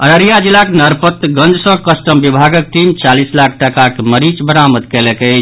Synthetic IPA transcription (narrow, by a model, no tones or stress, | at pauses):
əɾəɾijad͡ʒilːaknəɾpət̪ɡə̃nd͡ʒsə̃kəsʈəmbibʱaɡək̚ʈimt͡ʃalislakʰʈəkakeməɾit͡ʃbəɾaməd̪kɛlɛkət͡ʃʰ